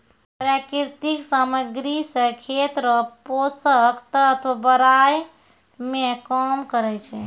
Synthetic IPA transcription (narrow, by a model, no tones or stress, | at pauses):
pɾakiɾt̪iksaməɡɾisəkʰet̪ɾəposəkt̪əːt̪ʰʋabəɾaj | mekɔmkəɾɛt͡ʃʰɛ